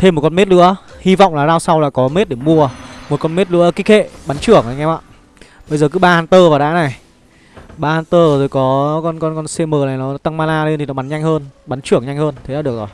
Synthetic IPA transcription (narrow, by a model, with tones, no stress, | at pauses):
t̪ʰe˧mː˨˩t̚kɔ˧nme˦˥t̚lɨ̰˧˥əhi˧va̰˧˨wŋ͡mlaː˨˩zaː˧wsa˧wlaː˨˩kɔ˨˦me˦˥t̚ɗe˧˩mu˧əmo˨˩t̚kɔ˧nme˦˥t̚lɨ̰˧˥əki˦˥k̚hḛ˧˨ɓa˨˦nt͡ɕɨ˧˩əŋʔa˨˩ŋɛ˧ma̰ː˧˨ | ɓə˧jzəː˨˩k̬ɨ˨˦ɓaː˧haː˧nt̪əː˧vaː˨˩wɗa̰ː˧˥na˨˩j | ɓaː˧haː˧nt̪əː˧zo˨˩jkɔ˨˦kɔ˧nkɔ˧nkɔ˧nsɛ˧məː˨˩na˨˩jnɔ˨˦˨t̪a˧ŋmaː˧laː˧le˧nt̪i˨nɔ˨˦ɓa˨˦nɲa˧ŋ̟həː˧nɓa˨˦nt͡ɕɨ˧˩əŋɲa˧jŋ̟həː˧nt̪ʰe˨˦laː˧˥ɨ˨˩ək̚zo˨˩j